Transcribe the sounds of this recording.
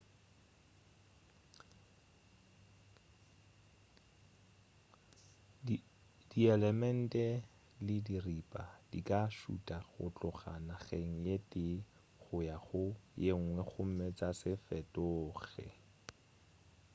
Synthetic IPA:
diɛlɛmɛn̩tʼɛ | lɪdiripʼad̥ḭkʼaʃṵtʼaχʊ̰t͡ɬʊχa̰naɣeŋ̩jetʼɪ | χʊjaχʊjeŋ̩ŋwɛχʊm̩mɛt͡sasɪfɛtʼʊːɣɛ̰

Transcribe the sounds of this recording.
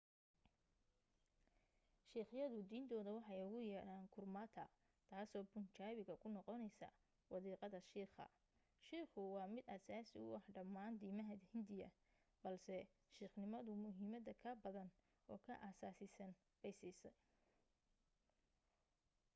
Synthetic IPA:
ʃiːχjɐðʊd̪iːnt̪ʰɔːðɐwɑħɑjʊɣʊjɐɾaːnkʰʊrmaːt̪ʰɐ̰ | t̪ʰaːsɔːbʊnt͡ʃaːβɪɣɐkʰʊnɔqɔnɛjsɐ̰ | wɑðiːqɑðɐʃiːχɐ̰ | ʃiːχʊwɑːmɪd̪aːsaːsɪʊ̰ʔɐhɖɐmːaːnd̪iːmɐɦɐhɪnd̪ɪjɐ | b̥ɐlsɛ | ʃiːχnɪmɐðʊmʊɦiːmɐd̪ɐkʰɐbɐðɐn | ʔɔːkʰɐʔasaːsɪsɐn | b̥ɛjsiːsɐj

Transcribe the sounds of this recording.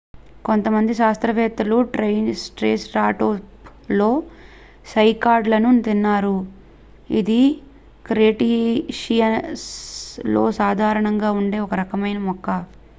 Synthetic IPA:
ko̞nt̪ɐmɐnd̪iʃaːst̪ɾɐʋɛːt̪ɾɐluʈɾɐjnsʈɾeːsɾaːʈoːplo̞ː | sɐjkaːɾɖlɐnut̪inːaːɾu | ḭd̪i | kɾeːʈiʂijɐslo̞ːsaːd̪ʱaːɾɐɳɐŋɡaːuɳɖe̞ːɔkɐɾɐkɐmɐjnɐmɔkːɐ

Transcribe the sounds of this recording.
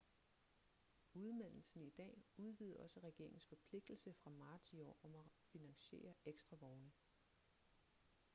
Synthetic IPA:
uð̞ˠmæn̰l̩sn̩id̥ɛ̰ːuð̞ˠʋiːð̞̩ˠɒ̽səʁɛɡ̥e̝ɐ̰eŋn̩sfɒ̽pʰle̝ɡ̥̚d̥l̩səfʁɑ̈mɑ̈ːt͡sʰiɒ̰ːɒ̽mæfinæŋɕe̝̰ːɐeɡ̥sd̥ʁɑ̈ʋɒʊnə

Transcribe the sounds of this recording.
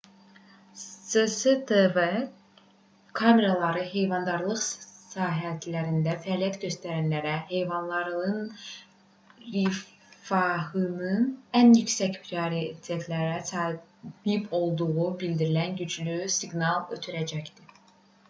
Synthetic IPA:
sesed̪eve | kʰɑme̞ɾɑlˠɑɾɯɦe̞jvɑnd̪ɑɾlˠɯχsɑːɦæt̪ʰilæɾind̪æfæɑːlijæt̪ɟø̞st̪æɾænlæɾæɦe̞jvɑnlˠɑɾɯn | ɾi | fɑɦɯnɯnænjycsæcpʰɾioɾit̪ʰiet̪ʰlæɾæsɑbipʰo̞lˠd̪uɣubild̪iɾilænɟyd͡ʒlysiɡnɑlˠøt̪ʰyɾæd͡ʒæçd̪i

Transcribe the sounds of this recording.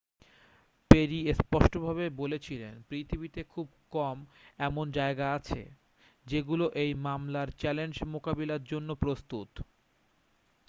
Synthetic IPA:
peɾiespɔʃʈobʱabebolet͡ɕʰilenpɾit̪ʰibit̪ekʰub̚kɔmɛmond͡ʑaeɡaat͡ɕʰḛ | d͡ʑeɡuloʔejmamlaɾt͡ɕɛlend͡ʑmokabilaɾd͡ʑonːopɾost̪ut̪

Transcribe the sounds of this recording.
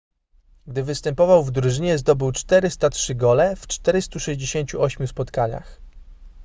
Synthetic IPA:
ɡd̪ɘvɘst̪ɛmpɔvawvd̪ɾuʐɘɲɛzd̪ɔbɘwt͡ʂt̪ɛɾɘst̪atʂɘɡɔlɛft͡ʂt̪ɛɾɘst̪uʂɛʑd͡ʑeɕeɲt͡ɕuʔɔɕmʲjuspɔt̪kaɲa̰x

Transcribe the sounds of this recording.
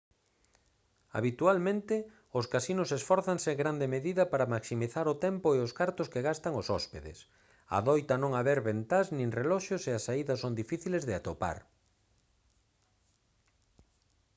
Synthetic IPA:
a̰βit̪ualmẽnt̪ɪ | ʊskasinʊsesfɔɾθaŋseɡɾand̪emeðiðɐpaɾɐmaksimiθaɾʊt̪ɛmpʊeʊskaɾt̪ʊskeɣast̪aŋʊsɔspeðḛs | a̰ðɔjt̪ɐnõŋaβɛɾβent̪aznĩŋrelɔʃoseasaiðɐsond̪ifiθilezðɪat̪opa̰ɾ

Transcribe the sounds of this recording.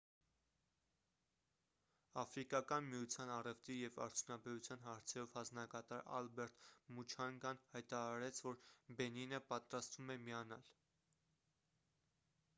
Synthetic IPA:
ɑfɾikɑkɑnmijut͡sʰjɑnɑrɛvt̪ijɛvɑ̰ɾt͡sʰjunɑbɛɾut͡sʰjɑn̪ɦɑɾt͡sʰɛɾɔvhɑnd͡znɑkɑt̪ɑɾɑ̰lbɛɾt̪mut͡ʃʰɑŋɡɑnhɑjt̪ɑɾɑɾɛt͡sʰvɔɾbɛninəpɑt̪ɾɑst̪vumɛmijɑnɑl

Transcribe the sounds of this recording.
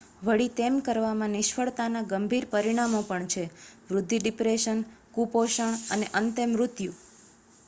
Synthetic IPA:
ʋəɽit̪emkəɾʋamãnɪʃfʰəɭt̪anaɡəmbʱiɾpəɾiɽ̃amopəɳt͡ʃʰeʋɾʊd̪ʱːiɖɪpɾeʃənkupoʃəɳ̃əneʔənt̪imɾʊt̪ju

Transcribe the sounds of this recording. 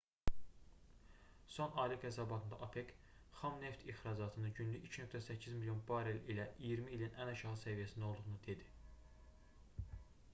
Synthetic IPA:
so̞nɑːliɡæsɑbɑt̪ʰɯnd̪ɑʔɑpʰek | χɑmne̞ft̪ʰiχɾɑd͡ʒɑt̪ʰɯnɯɟynlyʔicʰnøk̚t̪ʰæsæcʰːizmilijo̞nbɑɾelilæʔijiɾmiːlinʔænɑʃɑhɯsævijæsind̪o̞lˠd̪uʁnud̪e̞d̪i

